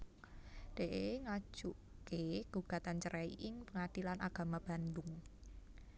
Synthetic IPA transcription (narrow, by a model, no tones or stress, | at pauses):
d̥eʔeŋḁʒ̥uʔkeɡ̥uɡ̥ä̤t̪ant͡ʃəɾʔɛḭʔɪŋpəŋad̥ilanʔaɡ̥a̤mab̥a̤nd̪ʊŋ